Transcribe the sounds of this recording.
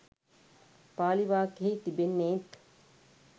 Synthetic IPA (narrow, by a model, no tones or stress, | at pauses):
paːliʋaːkeɦit̪ibenːeːt̪